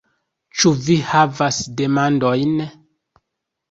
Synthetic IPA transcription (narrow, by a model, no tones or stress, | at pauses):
t͡ʃuvihavasdemandojn